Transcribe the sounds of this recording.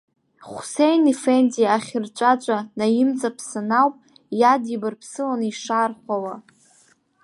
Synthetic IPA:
χʷʊsejnifenzijaːχʲɪrt͡ʃʷʼat͡ʃʷʼanajɪmt͡sʼapʰsɨnawpʼ | jadibarpʰsɨlaniʂarχʷawa

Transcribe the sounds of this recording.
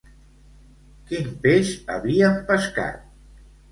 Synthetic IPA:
kinpeʃə̰βiəmpəska̰t̪̚

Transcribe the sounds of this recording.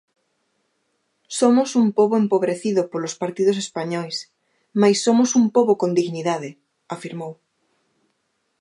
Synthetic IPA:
somosumpoβoempoβɾeθiðopolospaɾt̪iðosespaɲɔjs | majsːomosumpoβokond̪iɣniðað̞e | afiɾmow

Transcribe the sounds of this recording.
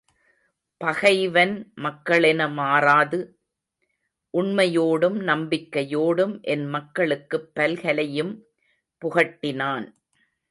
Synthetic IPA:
pɐɣɐɪʋɐnmɐkːɐɭɛnɐmaːraːðɯ | ʔʊɳmɐjoːɽɯmnɐmbɪkːɐjoːɽɯmʔɛnmɐkːɐɭɯkːɯpːɐlɣɐlɐjɯm | pʊɣɐʈːɪnaːn

